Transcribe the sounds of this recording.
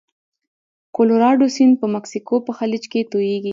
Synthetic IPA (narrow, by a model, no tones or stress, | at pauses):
koloɾɑɖosinpəmaksikopəxalid͡ʒket̪ojeɡi